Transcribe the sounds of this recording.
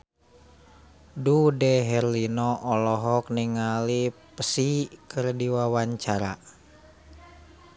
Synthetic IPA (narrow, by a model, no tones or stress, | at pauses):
dudɛɦɛrlinɔʔɔlɔɦɔk̚niŋalipəsikərdiwawaɲt͡ʃaɾa̰